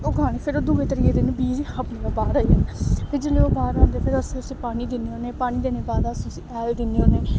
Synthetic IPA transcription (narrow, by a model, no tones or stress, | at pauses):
oːɡʱaːɽ̃epʰɪɾod̪uːɡeːt̪əɾiːeːd̪ɪnbiːd͡ʒhəpneːloːbaːɾaːiɛnpʰɪɾd͡ʒeːleːoːbaːɾãːnd̪eːpʰɪɾəssiːpaːniːd̪ɪneːɦoːneːpaːɽ̃iːd̪eːneːbaːd̪asʊsiːɛːld̪ɪnːeːɦoːneː